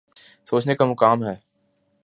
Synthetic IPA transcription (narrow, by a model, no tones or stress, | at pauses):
soːt͡ʃnekamʊkaːmɦɛː